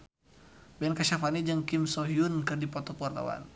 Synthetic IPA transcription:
bɛnkaʃafanid͡ʒəŋkimsɔɦiunkɨrdipɔt̪ɔpɔrt̪a̰wa̰n

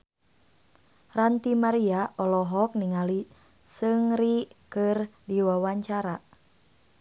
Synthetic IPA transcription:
rant̪imaɾiaʔɔlɔɦɔk̚niŋali | sɨŋɾikɨrdiwawaɲt͡ʃaɾa

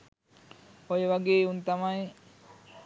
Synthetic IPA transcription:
ojeʋɐɡeːunt̪amaje

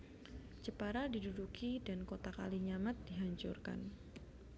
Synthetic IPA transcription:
d͡ʒəpaɾadidudukidankot̪aka̰liɲamat̪̚diɦaɲt͡ʃṵrka̰n

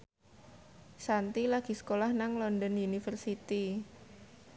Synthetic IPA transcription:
sant̪ilaɡ̥i̤sə̥kolahnaŋlɔndɔnjunifərsit̪i

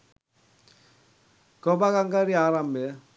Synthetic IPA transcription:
kɔbakaŋɡaɾiaɾame

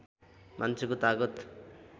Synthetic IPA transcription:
mʔant͡sʰekot̪aɡʌt̪

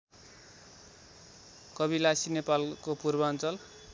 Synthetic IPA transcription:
kʌβilasinepalkopurbʌʌnt͡sʌl

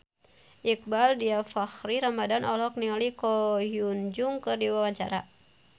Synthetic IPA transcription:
ʔik̚baldiafaxɾiɾamadanʔɔlɔk̚niŋalikɔɦiund͡ʒuŋkɨrdiwawaɲt͡ʃa̰ɾa̰

